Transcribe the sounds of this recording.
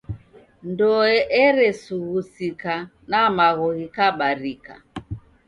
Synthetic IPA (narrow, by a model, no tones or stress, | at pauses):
ndɔɛʔɛɾɛsuɣusika | namaɣɔɣikaɓaɾika̰